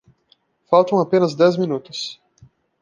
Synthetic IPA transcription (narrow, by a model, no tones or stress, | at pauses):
fawt̪ɐ̃w̃apẽnɐzd̪ɛzminut̪ʊs